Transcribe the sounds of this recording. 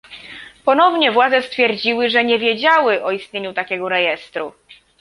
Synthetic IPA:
pɔnɔvɲɛvwad̪zɛst̪fʲjɛɾd͡ʑiwɘʐɛɲɛvʲjɛd͡ʑawɘʔɔist̪ʲɲeɲut̪akʲɛɡɔɾɛjɛst̪ɾu

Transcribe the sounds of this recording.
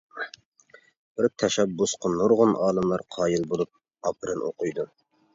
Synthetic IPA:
b̥ɪɾt̪ʰɛʃɛbːusqʰənoɾʁʊnʔɑːlˠɨmlˠɑɾqʰɑːjɨlˠbolˠup̚ | ɑpʰɨɾɨnʔoqʰʊjd̪u

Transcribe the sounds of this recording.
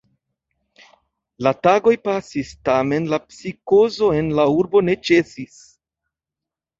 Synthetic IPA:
lataɡo̞jpasistame̞nlapsiko̞zo̞e̞nlauɾbo̞ne̞t͡ʃe̞sis

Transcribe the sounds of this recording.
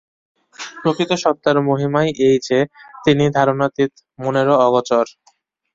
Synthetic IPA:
pɾokɾit̪oʃɔp̚t̪ːaɾmoɦimajʔejd͡ʑet̪inid̪ʱaɾonat̪it̪ | moneɾoɔɡot͡ɕoɾ

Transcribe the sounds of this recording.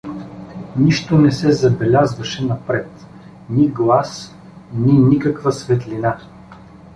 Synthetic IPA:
niʃt̪onɛsɛzɐbɛlʲazvɐʃɛnɐpɾɛt̪ | niɡlˠas | ninikəkvəsvɛt̪lina

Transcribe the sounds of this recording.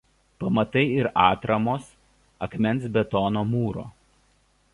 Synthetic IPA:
pɐmɐt̪ɐɪɪɾɑːt̪ɾɐmoːs | ɐkmʲɛnt̪sbʲɛt̪ɔːnoːmuːɾo̰ː

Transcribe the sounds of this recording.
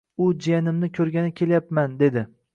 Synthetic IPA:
ʊd͡ʒijanɪmnɪkʲʰɵɾɡʲanɪkʲʰe̞ljapmand̪e̞d̪ɪ

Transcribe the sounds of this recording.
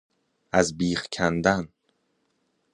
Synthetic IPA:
æzbiːxcʰænd̪æn

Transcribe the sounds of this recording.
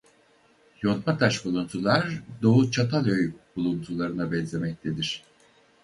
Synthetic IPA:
jo̞nmat̪ʰaʃbulˠunt̪ʰulˠaɾd̪o̞ut͡ʃʰat̪ʰalˠøjb̥ulˠunt̪ʰulˠaɾɯnabɛnzʲe̞mɛc̚t̪ʰed̪iɾ̥

